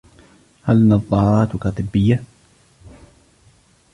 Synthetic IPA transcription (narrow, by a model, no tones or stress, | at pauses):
halnɑðˤːɑːɾˤɑːt̪kat̪ˤɨbːɪjːa